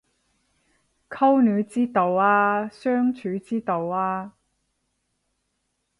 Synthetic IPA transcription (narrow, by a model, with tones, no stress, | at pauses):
kʰɐ˥wnyː˨˧t͡siː˥t̪o˨˧waː˧sœː˥ŋt͡ʃʰyː˨˥t͡siː˥t̪o˨˧waː˧